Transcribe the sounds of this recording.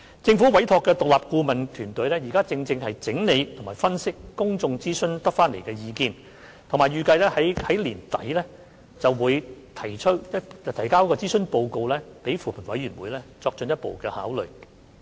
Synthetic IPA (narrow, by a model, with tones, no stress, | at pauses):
t͡sɪ˧ŋfuː˨˥wɐ˨˥jt̪ʰɔː˨˧kːɛː˧t̪ʊ˨k̚laː˨˩p̚kuː˧mɐ˨nt̪ʰyː˨˩nt̪ɵ˨˥ɥlɛː˥jiː˨˩kaː˥t͡sɪ˧ŋt͡sɪ˧ŋhɐ˨jt͡sɪ˨˥ŋne˨˧jt̪ʰŋmaː˨jfɐ˥nsɪ˥kːʊ˥ŋt͡sʊ˧ŋt͡siː˥sɵ˥nt̪ɐ˥k̚faː˥nle˨˩jkɛː˧jiː˨˧kiː˧n | t̪ʰmaː˨˩jɥyː˨˧kɐ˧jlɛː˥hɐ˨˥jhɐ˨˥jliː˨˩nt̪ɐ̰˨˥jlɛː˥ | t͡sɐ˨wwuː˨˧jt̪ʰɐ˨˩jt͡ʃʰɵ˥t̚jɐ˥tɐ˨t̪ʰɐ˨˩jkaː˥wkːɔː˧t͡siː˥sɵ˥npo˧wko˧wlɛː˥pe˨˥jfuː˨˩pʰɐ˨˩nwɐ̰˨˥jyː˨˩nwuː˨˥jlɛː˥t͡sɔː˧k̚t͡ʃɵ˧njɐ˥t̚po̰˨wkɛː˧ha̰ː˨˥wlɵ̰˨˩ɥ